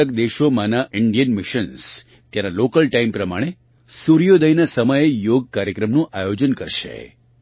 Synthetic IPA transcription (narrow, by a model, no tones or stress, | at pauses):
əkd̪eʃomãnaʔɪɳɖijənmɪʃəns | t̪janalokəlʈaimpɾəmaɽ̃e | suɾijod̪əjnasəməjejoɡ̚kaɾjəkɾəmnũʔajod͡ʒənkəɾʃḛ